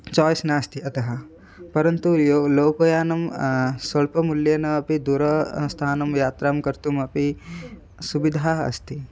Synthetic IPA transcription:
t͡ʃɔːjsnaːst̪iɐt̪ɐɦɐ̆ | pɐɾɐnt̪ujoːloːpɐjaːnɐmsɐɭpɐmuljɐnɐɐpid̪uɾɐst̪ʰaːnɐmjaːt̪ɾaːmkɐɾt̪umɐpi | subid̪ʱaːɦɐ̰st̪ʰi

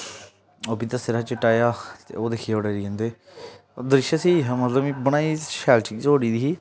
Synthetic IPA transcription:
oːpit̪asɪɾaːt͡ʃəʈaːjaːt̪ḛoːd̪eːkʰiːeoːɽeːɾiːə̃ːnd̪eː | d̪ɾɪʃəsiːmət̪ləmibəɽ̃aːiːʃɛːlt͡ʃɪkt͡ʃoːɽiːd̪iɦiː

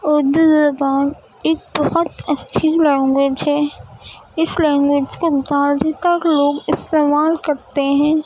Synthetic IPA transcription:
ʊɾd̪uzɐbaːn | eːk̚bɐhʊt̪ɐt͡ʃʰilɛ̃ːŋɡwed͡ʒɦɛː | ɪslɛ̃ːŋɡwed͡ʒkozaːld̪ʱit̪əɾloːɡɪst̪eːmaːlkɐɾt̪eɦɛ̃ː

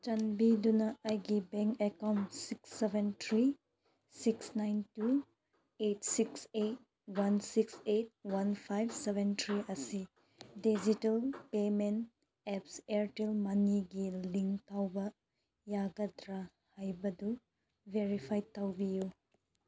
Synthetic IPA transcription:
t͡ʃɐnbidunɐːjɡibeŋkekawntsiksːebentʰɾi | siksnajntu | etsikset̚ | wansikset̚wanpʰajbsebʱentʰɾiʔɐsi | did͡ʒitɐlpement | epseɾtelmɐniɡiliŋtawbɐ | jaɡɐtɾa | hajbɐdu | bʱeɾipʰajtawbiju

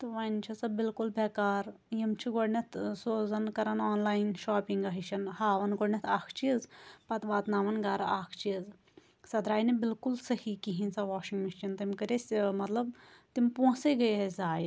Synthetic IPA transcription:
t̪ɨʋaːnt͡ʃʰɐsɐbɪlkulbeːkaːɾ | jimt͡ʃʰiɡoɽnʲɐt̪ʰsoːzɐnkɐɾɐnaːnlaːjnʃaːpiŋɡɐɦiʃʰɐnhaːʋɐnɡoɽnɐt̪ʰaːkʰt͡ʃizpɐt̪ʋaːt̪naːʋɐnɡaːɾɐaːkʰt͡ʃiəz | sɐd̪ɾaːjnebɪlkulsɐhikiɦinsɐʋaːʃiŋɡmiʃt͡ʃint̪imkɐɾesʲmɐt̪lɐb̚t̪impõːseɡɐjɦezaːj

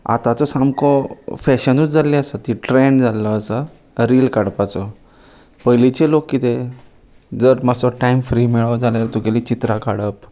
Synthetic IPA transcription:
a̰t̪at͡sɔsamkɔfɛɕənut͡sd͡zaliasət̪iʈɾeɳɖd͡zalɔːsə | ɾiːlkaɽpat͡sɔ | pəjlit͡ɕelokːit̪e | d͡zəɾmasɔʈaimfɾiːmiɭəwd͡zaleɾt̪ukelit͡ɕit̪ɾakaɽəp

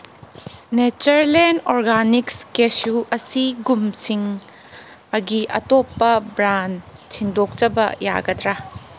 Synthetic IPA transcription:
net͡ʃɐɾlenɔɾɡanikskesuʔɐsiɡumsiŋ | ɐɡiʔɐ̰topːɐbɾant͡ʃʰindok̚t͡ʃɐbɐ̰ja̰ɡɐdɾa

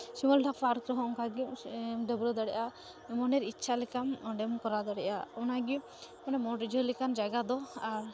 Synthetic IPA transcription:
simɔlʈʰak̚pʰaɾkɾɔɦɔɔŋkaɡiʔɖəbɾɔd̪aɽɛjʔa | mɔnɛɾitːt͡ʃʰalɛkamɔɖɛmkɔɾad̪aɽɛʔa̰ɔnaɡi | ɔnɛmɔʈd͡ʒɔlɛkand͡ʒaɡad̪ɔaɾ

